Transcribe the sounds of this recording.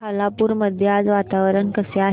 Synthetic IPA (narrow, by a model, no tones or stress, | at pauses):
alapuːɾməd̪ʱjad͡zʋat̪aʋəɾənkəseaɦ